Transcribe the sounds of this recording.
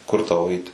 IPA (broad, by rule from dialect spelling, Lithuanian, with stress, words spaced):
ˈkʊr tɐʊ ˈɛɪt